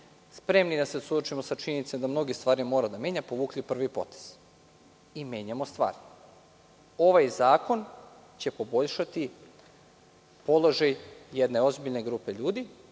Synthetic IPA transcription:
spɾe̞mnid̪ase̞sud̪ot͡ʃimo̞sat͡ʃiɲe̞nit̪sed̪amno̞ɡist̪ʋaːɾimo̞ːɾad̪amje̞ɲapo̞ʋuːklʲipr̩ʋipo̞̰t̪e̥z̥ | ime̞ːɲamost̪ʋa̰ːɾi | o̞ʋajzaːko̞n | t͡ɕe̞po̞bo̞ʎʃat̪i | po̞lˠo̞ʒajjed̪ne̞o̞zbiʎne̞ɡɾupe̞ʎuːd̪i

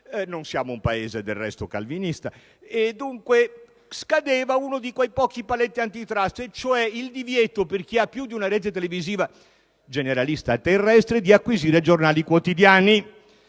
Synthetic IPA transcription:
nonsjaːmoumpaeːzed̪erːɛ̰st̪oka̰lvinist̪a | ed̪ːuŋkwe | skad̪eːvaunod̪ikwejpɔːk̟ipalɛt̪ːiant̪it̪ɾast̪et͡ʃoɛild̪ivjɛt̪operk̟iapːjud̪iunaɾɛːt̪et̪eleviziːva | d͡ʒeneɾalist̪at̪ːerːɛst̪ɾed̪iakːwiziːɾed͡ʒornaːlikwot̪id̪jaːni

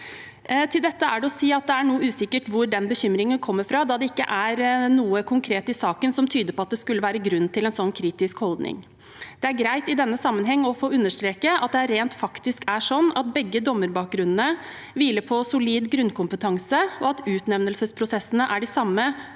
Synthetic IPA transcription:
t̪ʰɪld̪ɛt̪ːəæɖɛɔsiːɑt̪̚d̪ɛæɳuːəʉːsɪkːəʈʋʊɾɖɛnbəçʏmːɾɪŋənkʰɔmːəɾfɾɑd̪ɑd̪ɛɪkːə̰ʔæɾnuːəkʰʊŋkʰɾeːt̪ɪsɑːkənsɔmt̪ʰyːd̪əɾpʰɔɑt̪̚d̪ɛskʉləʋæːɾəɡɾʉnːt̪ʰɪlɛnsɔnːkʰɾiːt̪ɪskhɔld̪nɪ̰ŋ | d̪̥ɛæɾɡɾæɪt̪ɪd̪ɛnːəsɑmːənɦɛŋːɔfoːʉnːəʂt̪ɾeːkəʔɑt̪̚d̪ɛæɾːeːnt̪fɑkt̪ɪskæʂɔnːɑt̪̚bɛɡːəd̪ɔmːəɾbɑːk̚ɡɾʉnənə | ʋiːləpʰɔsʊliːd̪ɡɾʉnkʰʊmpət̪ʰɑŋsəɔɑt̪ʉːt̪nɛʋnəlsəspʰɾʊsɛsənəʔæɖɪsɑmːə

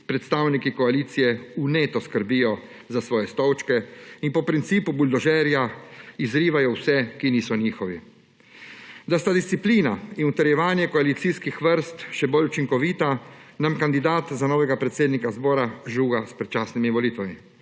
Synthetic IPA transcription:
pɾɛt̪st̪aːwnikikɔaliːt̪sijɛuneːt̪ɔskəɾbiːjɔ | zasʋɔːjɛst̪ɔwt͡ʃkɛinpɔpɾint̪siːpubuld̪ɔʒɛːɾjaizɾiːʋajɔwsɛkiniːsɔniːxɔʋi | d̪ast̪ad̪ist̪ipliːnainut̪ɛɾjɛʋaːnjɛkɔalit̪siskixʋəɾst̪ʃɛboːlut͡ʃiŋkɔʋiːt̪anamkand̪id̪aːt̪zanɔːʋɛɡapɾɛt̪seːd̪nikazbɔːɾaʒuːɡaspɾɛt̪t͡ʃaːsnimiʋɔliːt̪ʋami

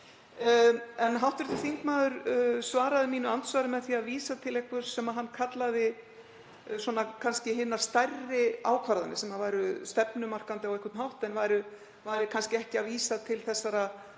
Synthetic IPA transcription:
ɛnɦawht̪ʏɾ̥t̪ɪɾθiŋkmaːðʏɾsvaːɾaðɪmiːnʏant̪svaɾɪmɛðθiaðviːsat̪ʰɪlɛjhkvʏɾ̥sɛmaðɦanːkʰat̪laðɪ | swɔnakʰanscɪɦɪnːast̪ajrːɪaːwkʰvaɾðanɪ̰sɛmaðvaːjɾʏst̪ɛpnʏmar̥kant̪ɪawɛhkʰvʏt̪mhawht̪ɛnvajɾʏ | vajɾɪkʰanscɪɛhcɪaðviːsat̪ʰɪlθɛsːaɾa

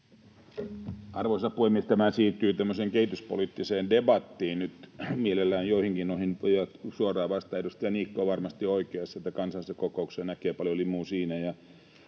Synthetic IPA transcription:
ɑrʋosɑpːuemːiest̪æmæsiːt̪ːˑyːt̪æmːøseːŋkehit̪yspolit̪ːiseːndebɑt̪ːiːnnyt̪mielelːæːnjoihiŋkinnoihinjɑt̪suorˑɑːʋɑst̪ɑedust̪ɑjɑniːkːoːʋɑrmɑst̪ioikeɑsːɑet̪ːækɑnsɑlisekokouksenækeːpɑljolimuːsiːnæjɑ

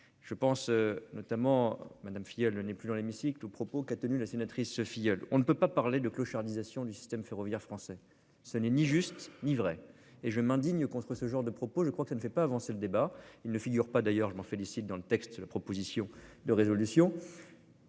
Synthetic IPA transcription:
ʒ̥əpɑ̃snɔt̪amɑ̃mad̪amfijɔlənɛplyd̪ɑ̃lemisiklopχɔpokat̪ənylasenat̪χisəfijɔlɔ̰̃nəpøpapaʁled̪əkloʃaʁd̪izasjɔ̃d̪ysi̥st̪ɛmfeʁɔvjɛʁfχɑ̃sɛ | sənɛniʒyst̪nivʁɛ | eʒəmɛ̃d̪iɲkɔ̃t̪χəsəʒɑ̃ʁd̪əpχɔpoʒəkχwakəsanəfɛpaːvɑ̃seləd̪ebailnəfiɡʲyʁpad̪ajœʁʒəmɑ̃felisit̪̚d̪ɑ̃lət̪ɛkst̪̚d̪əlapχɔpozisjɔ̃d̪əʁezɔlysjɔ̃

